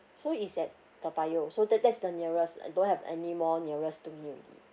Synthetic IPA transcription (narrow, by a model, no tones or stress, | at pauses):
soisɛt̚ | təpajosodɛdɛtsdəniɹəsa̰dõnhɛvɛ̰nimɔniəɹəstumiɹḭlḭ